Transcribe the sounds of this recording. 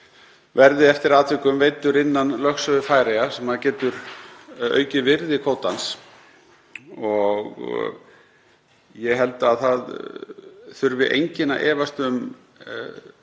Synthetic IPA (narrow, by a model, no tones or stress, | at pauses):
vɛɾðɪɛft̪ɪɾaːt̪ʰʏkʏmvejt̪ʏɾɪnːanlœxsœðʏfaːjɾejasɛmaðcɛːt̪ʏɾ | œ̰ːɥcɪvɪɾðɪkʰoːwt̪ans | ɔɣ | jɛɣɦɛlt̪aðθað | θʏɾvɪʔḛjɲcɪnaʔɛːvast̪ʏm